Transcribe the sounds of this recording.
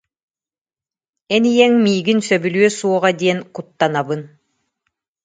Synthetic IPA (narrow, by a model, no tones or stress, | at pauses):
ɛnijɛŋmiːɡinsœbylyœsuɔʁad̪iɛnkut̪ːanabɯn